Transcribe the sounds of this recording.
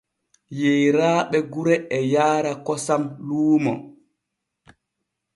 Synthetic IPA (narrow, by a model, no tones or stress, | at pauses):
jejɾaːɓɛɡuɾɛɛjaːɾakɔsamluːmɔ